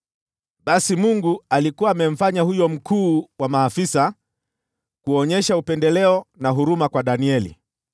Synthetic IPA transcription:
ɓasimuŋɡualikuwaːmɛm̩faɲahujɔm̩kuːwamaːfisa | kuɔɲɛʃaupɛndɛlɛɔnaɦuɾumakwaɗaniɛlḭ

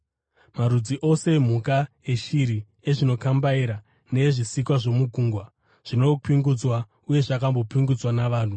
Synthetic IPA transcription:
maɾud͡ziʔo̞se̞m̤uka | eʃiɾi | eʐino̞kambaiɾa | ne̞ʐisikwaʐo̞muɡʱuːŋɡwa | ʐ̥ino̞piŋɡud͡zwa | uje̞ʐakambo̞piŋɡud͡zwanaʋaːn̤u

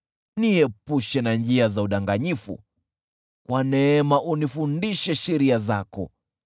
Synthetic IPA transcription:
niɛpuʃɛnand͡ʒiazauɗaŋɡaɲifṵ | kwanɛɛmaʔunifundiʃɛʃɛɾiazakɔ̰

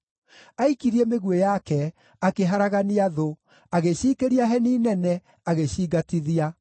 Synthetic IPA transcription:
aikiɾiɛmeɣwejakɛ | akeɦaɾaɣaniaðo | aɣeɕiːkeɾiaɦɛniːnɛnɛ | aɣeɕiːɡatiðia

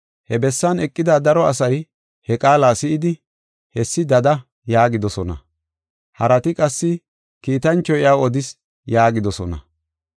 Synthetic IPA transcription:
hɛbɛsːɐnɛkʼːɪd̪ad̪ɐɾɔɐsɐj | hɛkʼaːlaːsɪʔɪd̪ɪ | hɛsːɪd̪ɐd̪ɐ | jaːɡɪd̪ɔsɔnɐ̰ | hɐɾɐt̪ɪkʼɐsːɪ | kiːt̪ɐnt͡ʃːɔjɪaːwɔd̪ɪs | jaːɡɪd̪ɔsɔnɐ̰

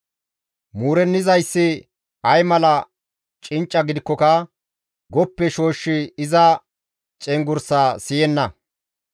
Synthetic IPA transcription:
muːɾɛnːɪzɐjsːɪ | ɐjmɐlɐ | t͡ʃʼɪnt͡ʃʼːɐɡɪd̪ɪkːɔkɐ | ɡɔpːɛʃo̞ːʃːɪɪzɐ | t͡ʃʼɛŋɡʊɾsaːsɪjɛnːɐ

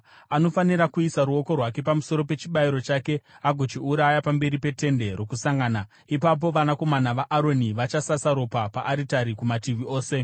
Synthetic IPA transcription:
ano̞faniɾakuisaɾuo̞ko̞rwake̞pamuso̞ɾo̞pe̞t͡ʃiɓaiɾo̞t͡ʃake̞aɡʱo̞t͡ʃiuɾajapambe̞ɾipe̞te̞nde̞rwo̞kusaŋɡaːna | ipap̬o̞ʋanako̞manaʋaʔːɾo̞niʋat͡ʃasasaɾo̞papaʔːɾitaɾikumatiʋioːse̞

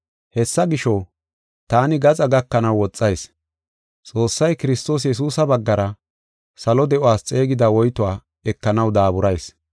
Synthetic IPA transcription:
hɛsːɐɡɪʃɔ | t̪aːnɪɡɐt͡sʼɐɡɐkːɐnɐwwɔt͡sʼːɐjs | t͡sʼo̞ːsːɐjkɪɾɪst̪o̞ːs̬jɛs̬uːsɐbɐɡːɐɾɐ | sɐlɔd̪ɛʔʊwaːst͡sʼe̞ːɡɪd̪ɐwɔjt̪ʊwaː | ɛkːɐnɐwd̪aːbʊɾɐjs

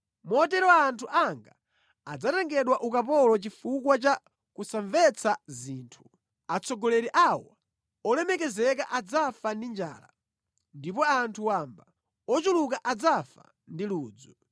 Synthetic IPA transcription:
mɔtɛɾɔaːntʰuʔaŋɡa | ad͡zataŋɡɛɗwaʔukap̬ɔlɔt͡ʃifukwat͡ʃa | kusaɱvɛt͡sʰaziːntʰu̥ | at͡sʰɔɡɔlɛɾiʔawa̰ | ɔlɛmɛkɛzɛkaʔad͡zafandind͡ʒa̰ːla̰ | ndipɔantʰuwamba | ɔt͡ʃulukaʔad͡zafa̰ | ndiluːd͡zu

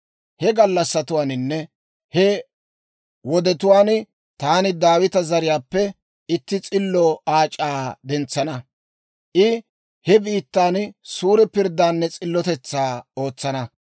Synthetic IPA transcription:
hɛɡɐlːɐsːɐt̪ʊwaːnɪnːɛ | hɛ | wɔd̪ɛt̪ʊwaːn | t̪aːnɪd̪aːwɪt̪ɐzɐɾɪjaːpːɛ | ɪt̪ːɪt͡sʼɪlːɔaːt͡ʃʼaːd̪ɛnt͡sːɐnɐ | ʔɪ | hɛbiːt̪ːaːnsuːɾɛpɪɾd̪ːaːnːɛt͡sʼɪlːɔt̪ɛt͡sːaːo̞ːt͡sːɐnɐ

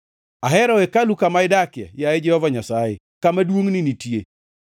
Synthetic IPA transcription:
aɦɛɾɔekalukamaɪdakɪa̰jaed͡ʒɛhɔvaɲasajḛ | kamadwoŋninitie

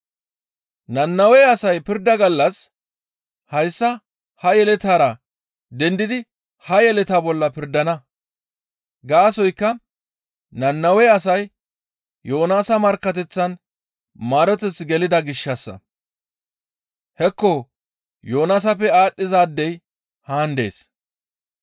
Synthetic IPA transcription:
nɐnːɐwɛjɐsɐjpɪɾd̪ɐɡɐlːɐs | hɐjsːɐ | hɐjɛlɛt̪aːɾɐ | d̪ɛnd̪ɪd̪ɪ | hɐjɛlɛt̪aːbɔlːɐpɪɾd̪ɐnɐ | ɡaːsɔjkːɐ | nɐnːɐwɛɐsɐj | jo̞ːnaːsɐmɐɾkːɐt̪ɛt͡sːɐn | maːɾɔt̪ɛt͡sːɡɛlɪd̪ɐɡɪʃːɐsːɐ̰ | hɛkːɔ | joːnaːsɐpːɛaːɗːɪzaːd̪ːɛj | haːnd̪e̞̰ːs

